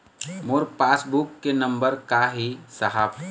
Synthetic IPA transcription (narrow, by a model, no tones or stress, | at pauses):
moɾpaːsbukːenɐ̃mbəɾkaɦisɐɦaːpʰ